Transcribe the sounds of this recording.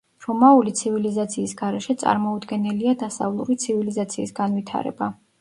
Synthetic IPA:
ɾɔmaulit̪sʰivilizat̪sʰiːsɡaɾɛʃɛt̪sʼa̰ɾmɔud̪ɡɛnɛliad̪asa̰vlˠṵɾit̪sʰivilizat̪sʰiːsɡanvit̪ʰa̰ɾɛ̰ba

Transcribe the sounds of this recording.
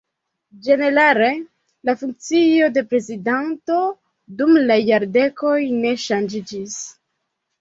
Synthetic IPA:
d͡ʒe̞ne̞ɾale̞ | lafuŋk̚t͡sio̞de̞pɾe̞zidanto̞ | dumlajaɾde̞ko̞jne̞ʃand͡ʒid͡ʒis

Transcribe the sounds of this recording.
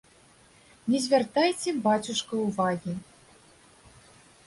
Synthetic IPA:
nʲɛzʲvʲart̪ajt͡sʲɛbat͡sʲuʂkɐuvaɣʲi

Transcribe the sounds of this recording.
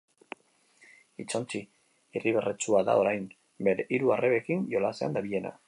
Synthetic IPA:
it͡so̞nt͡ʃi | iriβ̞eret͡suaða̰o̞ɾajn | be̞ɾeʔiɾuareβe̞kinjo̞lasea̰nd̪aβiʎe̞na̰

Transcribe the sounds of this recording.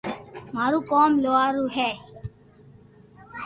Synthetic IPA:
maːɾuːkoːmloːaːɾuːɦɛː

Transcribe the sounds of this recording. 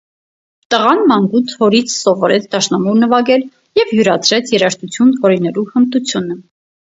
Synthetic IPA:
t̪əʁɑnmɑŋɡut̪ʰhɔɾit͡sʰsɔvɔɾɛt͡sʰd̪ɑʃnɑmuɾnəvɑɡɛl | jɛvjuɾɑt͡sʰɾɛt͡sʰjɛɾɑʃt̪ʰut͡sʰjunvɔɾinɛluhənt̪ut͡sʰjunə

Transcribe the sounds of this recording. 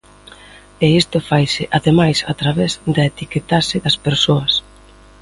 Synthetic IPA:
eist̪ʊfajsɪʔaðemajsat̪ɾaβezd̪aet̪iket̪asɪðɐspeɾsoɐs

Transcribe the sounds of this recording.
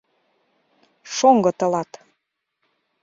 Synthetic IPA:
ʃoŋɡɤ̆t̪ɤ̆lɑt̪

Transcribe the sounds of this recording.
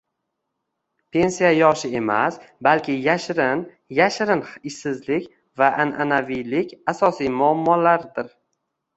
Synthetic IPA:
pʰe̞nsijajɒʃɪe̞ma̰sbalkʲʰɪjaʃɾɪn | jaʃɾɪnɪʃsɪzlɪkʲ | vaʔananavijlɪkʲasɒsijmʊamːɒlaɾd̪ɪɾ

